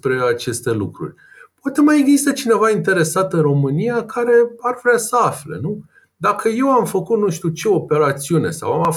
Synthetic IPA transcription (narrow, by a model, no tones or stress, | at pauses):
pɾe̞at͡ʃe̞st̪e̞lukɾṵrʲ | poat̪e̞majeɡzist̪ət͡ʃine̞vaint̪e̞ɾe̞sat̪ɨnro̞mɨnijakʰaɾe̞arvɾʲasəaflḛnu | d̪akʰəje̞wamfəkut̪nuʃt̪ʲut͡ʃe̞o̞pe̞ɾat̪siune̞̰sa̰wama